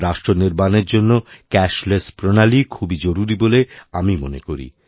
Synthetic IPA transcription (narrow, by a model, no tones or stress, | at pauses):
ɾaʃʈɾoniɾbaneɾd͡ʑonːokɛʃlespɾonalikʰubid͡ʑoɾuɾiboleamimonḛkoɾḭ